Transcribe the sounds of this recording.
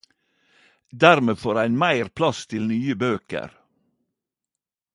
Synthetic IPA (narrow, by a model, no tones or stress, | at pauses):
d̪æɾmeːfoːɾæɪnmæɪɾpʰlɑst̪ʰɪlnyːəbøːkə̰ɾ